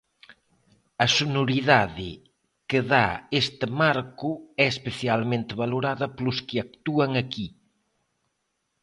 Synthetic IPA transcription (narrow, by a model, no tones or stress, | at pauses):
ɐsonoɾiðaðɪ | keða̰est̪ɪmaɾkʊɛespeθjalmẽnt̪ɪβaloɾaðɐplʊskɪak̚t̪uɐŋɐki